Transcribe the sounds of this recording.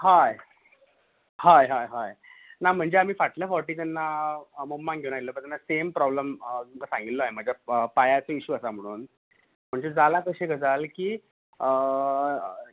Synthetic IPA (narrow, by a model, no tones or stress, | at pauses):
ɦaj | hajɦajɦaj | nam̤əɳd͡zeamiːfaʈljafɔɾʈiːt̪ɛnːamomːãŋɡʱewunailəːbəɾt̪ɛnːasempɾɔbləmkasãŋɡit̪loaɦem̤əd͡ʑʱjaəpajat͡səiɕuːəsam̤əɽ̃uːn | m̤əɳd͡zed͡zalakəɕeɡəd͡zalkiː | ə